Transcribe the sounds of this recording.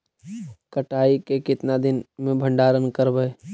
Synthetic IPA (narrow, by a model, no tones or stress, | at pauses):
kəʈaːikekɪt̪nad̪ɪnmẽbʱə̃ɳɖaːɾənkəɾbəe